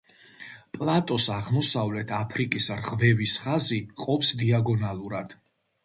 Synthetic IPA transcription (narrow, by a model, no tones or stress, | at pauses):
pʼlˠat̪ʼɔsaʁmɔsavlɛt̪ʰapʰɾikʼisɾʁvɛvisχaziqʼɔpsd̪iaɡɔnalˠuɾad̪̥